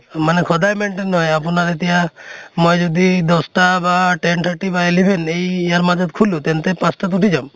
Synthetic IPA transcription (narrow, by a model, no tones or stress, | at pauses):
manekʰɔd̪ajmeɳʈenːɔjapɔnaɾet̪ijamɔjd͡ʒɔd̪id̪ɔsʈabaʈeɳʈ̪ʰaɾʈibaelibʱenejaɾmad͡ʒɔd̪kʰulut̪ent̪epãsʈat̪̬uʈid͡ʒam